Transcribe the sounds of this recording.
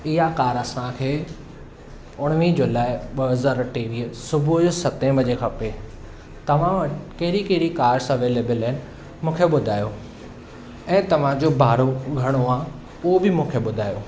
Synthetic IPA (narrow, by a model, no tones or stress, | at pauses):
ɪɦakaːɾɐsãkʰeː | ʊɽ̃ʋid͡ʑoːlaːɪɓɐɦɐzaːɾʈeʋiːəsʊbʱʊd͡ʑosɐt̪ẽmɐd͡ʑekʰɐpe | t̪ɐʋ̤ãɐkɐɦɪɾikɐɦɪɽikaːɾsɐʋeːleːbəlɐɦɪnɪ̆ | mũːkʰeɓʊd̪ʱaːjo | ɛ̃ːt̪ɐʋ̤ãd͡ʑobʱaːɾoɡʱɐɽ̃oaː | uɦobɪmũːkʰeɓʊd̪ʱaːjoː